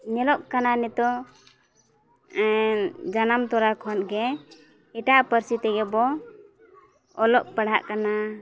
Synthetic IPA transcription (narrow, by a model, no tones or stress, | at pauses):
ɲɛlɔʔkananɛt̪ɔ | d͡ʒanamt̪ɔɾakʰɔnɡɛ | iʈaʔpəɾsit̪ɛɡɛbɔ | lɔʔpəɽ̤a̰ʔkana